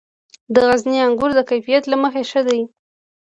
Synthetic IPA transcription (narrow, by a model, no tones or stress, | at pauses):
d̪əɣazniaŋɡʊɾd̪əkajfijat̪laməxeʃəd̪aji